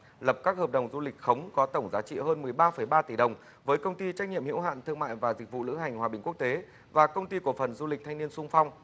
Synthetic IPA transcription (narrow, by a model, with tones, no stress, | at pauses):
lə˨˩p̚kaː˦˥k̚həː˨˩p̚ɗə˨˩wŋ͡mzu˧lï˨˩k̟̚xə˨˦wŋ͡mkɔ˨˦t̪ə˧˩wŋ͡mzaː˨˦t͡ɕḭ˧˨ɦəː˧nmɨ˨˩əjɓaː˧fə˧˩jɓaː˧t̪i˧˩ɗə˨˩wŋ͡m | vəː˨˦jkə˧wŋ͡mt̪i˧t͡ɕa˦˥k̟̚ɲḭ˧˨əmhḭ˧˥wɦa̰ː˧˨nt̪ʰɨ˧əŋma̰ː˧˨jvaː˨˩zi˨˩k̟̚vṵ˧˨lɨ̰˧˥ŋɦa˨˩jŋ̟hwaː˨˩ɓi˨˩ŋ̟kək̚t̪e˨˦ | vaː˨˩kə˧wŋ͡mt̪i˧ku˧˩əfə˨˩nzu˧lï˨˩k̚t̪ʰa˧ŋni˧ənsʊ˧ŋ͡mfa˧wŋ͡m